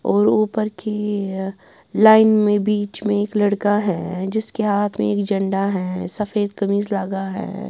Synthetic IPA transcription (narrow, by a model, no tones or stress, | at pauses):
ɔːɾuːpəɾkʰi | laːɪnmẽbiːt͡ʃmẽeːklɐɽkaɦɛd͡ʒɪskeɦaːt̪ʰmḛ̃eːkd͡ʒɐ̃ɳɖaɦɛːsɐfeːd̪̚kɐmiːzlaːɡaɦɛ̰ː